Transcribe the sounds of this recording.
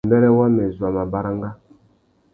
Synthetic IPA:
mbɛ˦ɾɛ˦wa˦mɛ˨zu˨a˨ma˨ba˦ɾa˦ŋɡa˦

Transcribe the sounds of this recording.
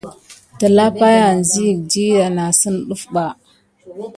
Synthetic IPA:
ta˨la˦pa˦ja˨nzi˦ji˨k̚di˦ɾa˨na˨sə˦nɗu˦fɓa˨

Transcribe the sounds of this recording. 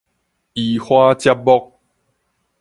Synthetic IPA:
i˨hwa˦t͡ɕja˦p̚bɔ˦k̚

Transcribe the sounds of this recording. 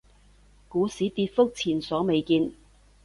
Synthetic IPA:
kuː˨˥siː˨˥t̪iː˧t̚fʊ˥k̚t͡sʰiː˨˩nsɔː˨˥me˨˧jkiː˧n

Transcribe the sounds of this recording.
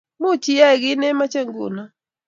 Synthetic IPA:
mu˦t͡ʃi˦jɛ˦˨ɣi˦nɛ˦ma˦t͡ʃɛ˦ŋɡṵ˨na˨

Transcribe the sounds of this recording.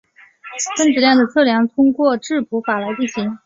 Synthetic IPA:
kə˥nʈ͡ʂɻ̩˨˩ljɑ˥˩ŋd̪ə˩t͡sʰɤ˥˩ljɑ˧˥ŋt̪ʰʊ˥ŋkwɔ˥˧ʈ͡ʂɻ̩˥˩pʰu˧˥fa˨˩la˧˥ɪt͡ɕi˥˩ɕi˧˥ŋ

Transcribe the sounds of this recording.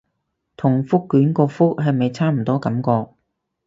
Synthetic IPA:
t̪ʰʊ˨˩ŋfʊ˥kːyː˨˥nkɔː˧fʊ˥k̚ɦɐ˨jme˨˧jt͡sʰaː˥m̩˨˩t̪ɔː˥kɐ˨˥mkɔː˧k̚

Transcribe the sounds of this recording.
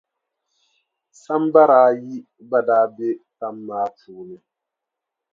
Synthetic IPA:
sa˦mba˦ɾaː˨˦ji˦ | ba˦daː˦be˦ta˦mːaː˦tuː˨ni˦

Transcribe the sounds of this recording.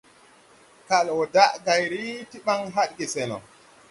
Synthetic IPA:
ka˨lwɔ˨daʔɡajɾiti˦ɓaŋɦa˦ɗɡi˨sɛnɔ̰˨

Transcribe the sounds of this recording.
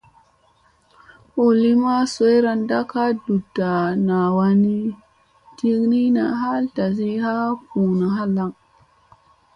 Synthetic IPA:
o˨li˦ma˦so˦jɾa˨nda˦ka˦du˨da˨na˨wa˦ni˦ | ti˦ɡni˦na˨ɦa˦lta˨zi˦ha˦pu˨na˨ɦa˦la˨ŋ

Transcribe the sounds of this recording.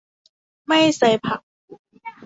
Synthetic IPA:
ma˥˩jsa˧jpʰa˨˩k̚

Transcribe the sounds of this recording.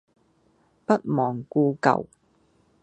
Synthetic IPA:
pɐ˦˥t̚mɔː˨˩ŋkuː˧kɐ̰˨w

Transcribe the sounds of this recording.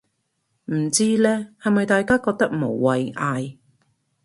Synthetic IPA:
m̩˨˩t͡siː˥lɛː˥hɐ˨jmɐ˨jt̪aː˨jkaː˥kɔː˧k̚t̪ɐ˥k̚mo˨˩wːɐ˨jʔaː˧j

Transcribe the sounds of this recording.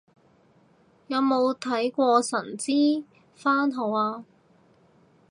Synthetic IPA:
jɐ˨˧wmo˨˧wt̪ʰɐ˨˥jkʷɔː˧sɐ˨˩nt͡siː˥ | faː˥nɦo˨˧waː˧

